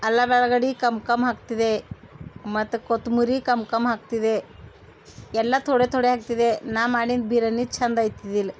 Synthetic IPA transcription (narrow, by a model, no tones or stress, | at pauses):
ɐlːabɛɭɐɡɐɽikɐmkɐmɦaːk̚t̪id̪e | mɐt̪ːukot̪umuɾikɐmkɐmɦaːkt̪id̪e | ɛlːɐt̪ʰoɽet̪ʰoɽeɦaːk̚t̪id̪enaːmaːɽind̪̚biːɾɐnːit͡ʃʰɐnd̪aːjt̪id̪il